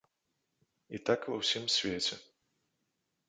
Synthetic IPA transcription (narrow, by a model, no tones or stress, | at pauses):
ḭt̪akvɐwsʲimsʲvʲet͡sʲɛ